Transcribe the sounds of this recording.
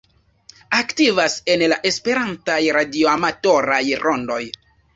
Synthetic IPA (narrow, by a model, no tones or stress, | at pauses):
aktivase̞nlaʔe̞spe̞ɾantajɾadioamatoɾajɾʔondo̞j